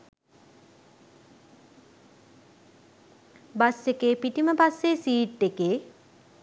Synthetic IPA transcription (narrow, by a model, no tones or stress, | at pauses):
basekeːpiʈiməpasːesiːʈːekeː